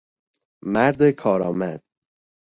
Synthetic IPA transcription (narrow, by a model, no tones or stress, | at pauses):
mæɾd̪ekʰɒːɾɒːmæd̪̥